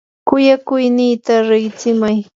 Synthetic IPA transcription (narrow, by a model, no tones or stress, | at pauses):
kʊjakʊjnɪːt̪aɾɪɢt͡sɪmaj